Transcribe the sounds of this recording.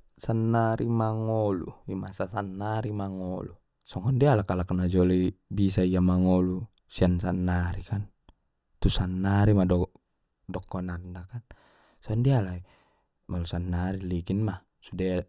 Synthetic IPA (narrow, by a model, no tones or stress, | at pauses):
sanːaɾimaŋɔlṵima̰sasanːaɾimaŋɔlṵ | sɔŋɔndialakalaknad͡ʒɔlibisaiamaŋɔlu | siansanːaɾikan | t̪usanːaɾimadɔ | dɔkːɔnarndakan | sɔɔndialai | malusanːaɾiliɡinmah | suda